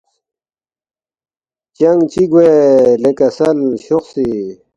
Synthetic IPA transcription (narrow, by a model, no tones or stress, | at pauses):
t͡ɕɐŋɡt͡ɕiɡwelekɐsɐlɕuxsi